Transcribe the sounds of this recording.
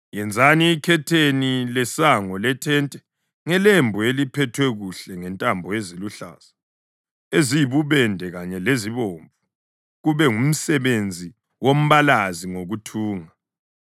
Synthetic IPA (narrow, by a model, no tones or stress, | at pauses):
jɛnd͡zʱaniːkʰɛtʰenilɛsaŋɔlɛtʰɛntʼɛ | ŋɛlembʱuelipʰɛtʰwɛɣuɬɛŋɛntʼambʱɔeziluɬa̰ːsḁ | ezijiβuβɛndʱɛɣaɲɛleziβoɱvʱu | ɣuβɛŋum̩sɛβend͡zʱi | wom̩βalaziŋoɣutʰuːŋa